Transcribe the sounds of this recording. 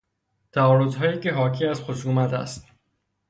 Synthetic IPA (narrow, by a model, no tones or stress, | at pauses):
t̪ʰæɒːɾozɦɒːjiːce̞ɦɒːkʰiːæzxoʃuːmæt̪ʰæ̰st̪